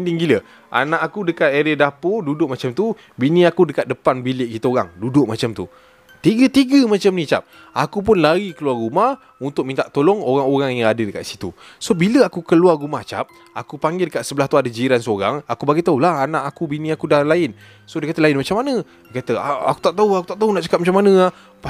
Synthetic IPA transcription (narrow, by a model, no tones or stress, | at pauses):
ndiŋɡilə | ʔa̰nãʔakudəkat̪eɾədapodudʊʔ̚mat͡ʃamt̪u | binĩakudəkat̪̚dəpanbilɪʔkit̪əoɾaŋdudʊʔmat͡ʃamt̪u | t̪iɡət̪iɡəmãt͡ʃamnĩt͡ʃa̰p̚ | akup̬ʊnlaɾikəluarːumah | unt̪ʊk̚mint̪aʔt̪olɔŋoɾaŋoɾaŋjaŋadədəkaʔ̪si̥t̪ṵ | sobiləakukəluarːumaht͡ʃa̰p̚ | a̰kupaŋɡɪlkaʔsəbəlaht̪uadəd͡ʒiɾansəoɾaŋakubaɡajt̪aulahanãʔakubinĩakudahlaɪn | sodəkat̪əlaɪnmat͡ʃamːanə̃ | dkat̪əa̰a̰ku̥t̪aʔt̪auakut̪aʔt̪aunaʔt͡ʃə̥kap̚mat͡ʃamːanə̃a | a